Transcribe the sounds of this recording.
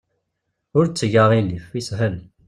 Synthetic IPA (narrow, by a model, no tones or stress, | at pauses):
ʊɾt͡sːəʝəʁilifisɦəl